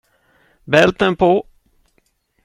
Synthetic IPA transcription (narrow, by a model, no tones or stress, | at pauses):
bɛlt̪ənpʰo